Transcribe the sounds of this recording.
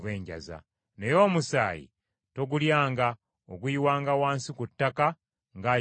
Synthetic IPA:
βeːɲɟa̰za̰ | ne̞jo̞ːmusa̰ːjḭ | to̞ɡuljaːŋɡa | oɡuiwaːŋɡawaːnsikutːaka | ŋɡa

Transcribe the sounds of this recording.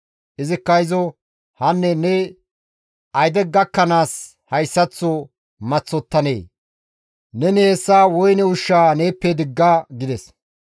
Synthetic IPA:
ʔɪzɪkːɐjzɔ | hɐnːɛnɛ | ʔɐjd̪ɛɡɐkːɐnaːs | hɐjsːɐt͡sːɔ | mɐt͡sːɔt̪ːɐne̞̰ː | nɛnɛɛsːaːwɔjnɛʊʃːaːneːpːed̪ɪɡːaːɡɪd̪ɛs

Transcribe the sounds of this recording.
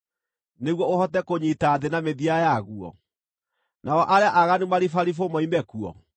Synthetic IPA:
neɣwɔohɔtɛkoɲitaːðenameðiajaɣuɔ̰ | naɔʔaɾeaʔaɣanumaɾifaɾifomɔimɛkuɔ̰

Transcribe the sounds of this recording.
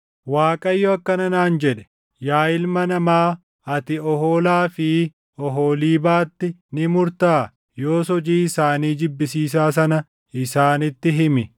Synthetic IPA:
waːkʼɐjːɔɐkːɐnɐnaːnd͡ʒɛᶑɛ̥ | jaːjɪlmɐnɐmaː | ɐt̪ɪɔhoːlaːfɪ | ɔɦoːliːbaːt̪ːɪnɪmʊɾt̪aː | jo̞ːsɔd͡ʒiːɪsaːniːd͡ʒɪbːɪsiːs̬aːs̬ɐnɐ | ɪsaːnɪt̪ːɪɦɪmɪ

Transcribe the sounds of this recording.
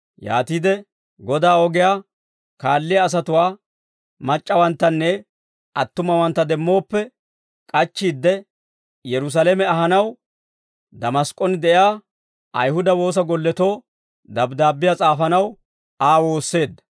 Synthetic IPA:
ja̰ːt̪iːd̪ɛ | ɡɔd̪aːɔɡɪjaː | kaːlːɪjɐːs̬ɐt̪ʊwaː | mɐt͡ʃʼːɐwɐnt̪ːɐnːɛ | ʔɐt̪ːʊmɐwɐnt̪ːɐd̪ɛmːo̞ːpːɛ | kʼɐt͡ʃːiːd̪ːɛ | jɛɾʊs̬alemɛɐɦɐnɐw | d̪ɐmɐskʼɔnd̪ɛʔjaː | ʔɐ̰jhʊd̪ɐwo̞ːs̬ɐɡɔlːɛt̪o̞ː | d̪ɐbd̪aːbːɪjat͡sʼaːfɐnɐw | aːwo̞ːsːe̞ːd̪ːɐ̥

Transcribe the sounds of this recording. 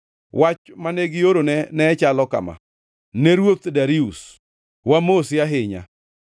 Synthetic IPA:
wat͡ʃmaneɡɪoɾonɛnɛt͡ʃalɔka̰ma̰ | neɾwot̪daɾius | wamosjaɦɪɲa̰

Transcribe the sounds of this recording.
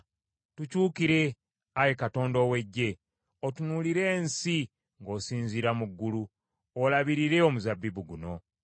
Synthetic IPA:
tucuːkiɾe̞ | ajekato̞ːndowe̞ɟːe̞ | otunuliɾe̞ːnsi | ŋɡo̞ːsiːɲziɾamuɡːulu | olaβiɾiɾe̞omuzabːibuɡuno̞

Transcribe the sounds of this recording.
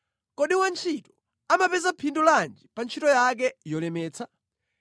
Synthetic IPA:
kɔɗiwant͡ʃʰitɔ̥ | amapɛzapʰinduland͡ʒipant͡ʃʰitɔjak̬ɛjɔlɛmɛːt͡sʰa

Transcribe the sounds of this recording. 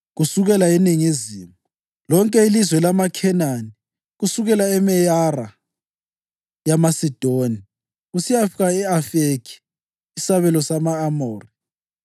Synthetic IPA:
ɣusuɣɛlaeniŋiziːmu | lɔŋkʼɛilizwɛlamakʰɛnani | ɣusuɣɛlaɛmɛjara | jamasid̥ʱoni | ɣusijafiɣaɛafekʰi̥ | isaβɛlɔsamaːmoːri

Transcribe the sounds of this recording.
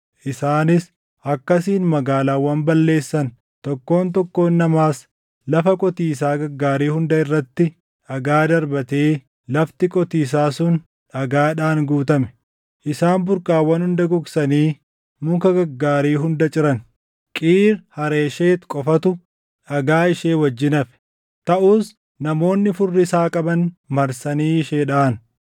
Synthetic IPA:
ʔɪsaːnɪs | ʔɐkːɐsiːnmɐɡaːlaːwɐmbɐlːe̞ːsːɐn | t̪ɔkːo̞ːnt̪̬ɔkːo̞ːnːɐmaːs | lɐfɐkʼɔt̪iːs̬aːɡɐɡːaːɾiːhʊnd̪ɐɪrːɐt̪ːɪ | ᶑɐɡaːd̪ɐɾbɐt̪eː | lɐft̪ɪkʼɔt̪iːs̬aːsʊn | ᶑɐɡaːᶑaːŋɡuːt̪ɐmɛ̥ | ʔɪsaːmbʊɾkaːwːɐnhʊnd̪ɐɡɔksɐniː | mʊŋkɐɡɐɡːaːɾiːɦʊnd̪ɐt͡ʃʼɪɾɐn | kʼiːɾhɐɾe̞ːʃe̞ːt̪kʼɔfɐt̪ʊ | ᶑɐɡaːɪʃeːwɐd͡ʒːɪnɐfɛ̥ | t̪ɐʔuːs | nɐmo̞ːnːɪfʊrːɪsaːkʼɐbɐnmɐɾsɐniːɪʃeːᶑaːn

